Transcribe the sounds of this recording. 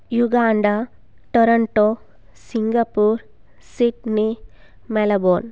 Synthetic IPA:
juɡaːɳɖa | ʈoɾɐɳʈo | siŋɡɐpuːɾ | siʈni | mɛlɐboːn

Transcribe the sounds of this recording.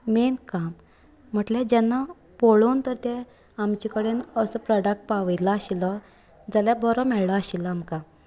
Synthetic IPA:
menkam̤ː | əʈled͡ʑɛnːa | poɭont̪əɾt̪ɛ | amt͡ɕikəɽenəsəpɾɔɖək̚ʈ̚paʋəjlaːɕilɔ | d͡zaljabɔɾɔmɛɭɭaaɕilaːmka

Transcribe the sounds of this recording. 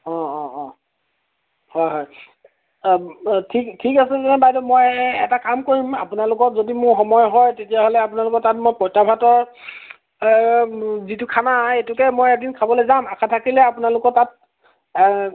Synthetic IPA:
ɔ̃ɔ̃ | hɔjɦɔj | tʰiktʰikasɛzɔnɛbajdɔmojɛtakamkoɹima̰punalʊkɔɹzodimʊɹxɔmɔjɦɔjtetijaɦolɛapunalʊkɔɹtatmojpɔjtabʰʱatɔɹ | zitukʰanaetʊkɛmojɛk̚dinkʰabɔlɛzamakʰatʰakilɛapunalʊkɔɹtat̚

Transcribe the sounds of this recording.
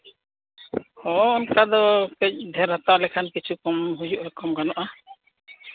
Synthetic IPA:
hɔːnkad̪ɔkɛc̚d̪ʱɛɾɦat̪aʔlɛkʰankit͡ʃʰukɔmɦud͡ʒuʔɾɛkɔmɡanɔʔa

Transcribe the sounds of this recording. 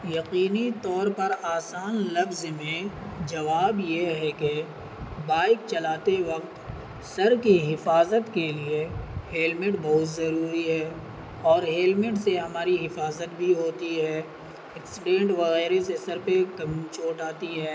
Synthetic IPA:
jɐqiːnit̪ɔːɾpɐɾaːsaːnlɐfzmẽd͡ʒɐʋaːbjeɦɛke | baːɪk̚t͡ʃɐlaːt̪eʋɐqt̪ | sɐɾkiɦɪfaːzət̪kelieɦeːlmɪʈbɐɦʊt̪zɐɾuːɾiɦɛː | ɔːɾɦeːlmɪʈseɦɐmaːɾiɦɪfaːzət̪bʱiɦoːt̪iɦɛː | ɛksɪɖẽːɳʈʋɐɣɛːɾesesɐɾpekɐmt͡ʃoːʈaːt̪iɦɛː

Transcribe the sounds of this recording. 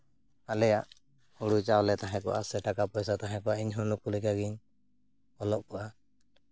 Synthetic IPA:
alɛjaʔ | huɽut͡ʃawlɛt̪aɦɛ̃kɔ̰ʔasɛʈakapɔjsat̪aɦɛ̃kɔaʔiɲɦɔlukulikaɡiɲ | ɔlɔʔkɔʔa

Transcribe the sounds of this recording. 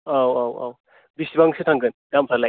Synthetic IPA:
awawa̰w | bisibaŋsʰetʰaŋkɯnɡamsʰala

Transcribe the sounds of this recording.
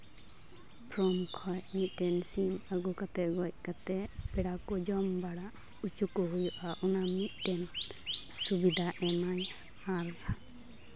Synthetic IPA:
pʰɾɔmkʰɔjmit̪̚ˀʈɛnsinaɡɔkat̪ɛɡɔj̚kat̪ɛbɛɽakɔd͡ʒɔmbaɽaʔ | ut͡ʃukɔɦujɔʔaʔunamit̪̚ˀʈɛn | subid̪ʱaʔɛnaj | aɾ

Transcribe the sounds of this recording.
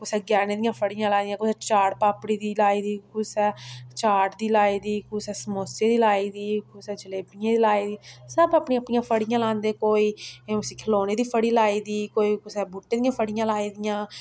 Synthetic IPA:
kʊsɛːɡjɛːneːd̪ɪjãːpʰəɽɪjãːlaːnd̪ijãːkʊsɛːt͡ʃaːɽpaːpɽiːd̪iːlaːiːd̪iːkʊsɛːt͡ʃaːʈd̪iːlaːiːd̪iːkʊsɛːsəmoːseːd̪iːlaːiːd̪iːkʊsɛːd͡ʒəleːpɪjãːd̪iːlaːiːd̪iːsəbəpɳĩːəpɳĩːãːpʰəɽɪjãːlãːnd̪eːkoːiːʊsĩːkʰəloːneːd̪iːpʰəɽiːlaːiːd̪iːkoːiːkʊsɛːbuːʈːeːd̪ijãːpʰəɽɪjãːlaːiːd̪ɪjãː

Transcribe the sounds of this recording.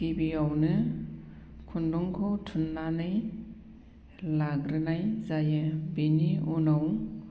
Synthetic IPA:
kibiawnɯ | kʰunduŋkʰɔwtʰunːanɯj | laɡɾɯnajzajɯbiniunaw

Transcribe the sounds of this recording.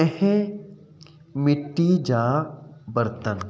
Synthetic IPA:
ɛhẽ | mɪʈːid͡ʒaːbɐɾt̪ən

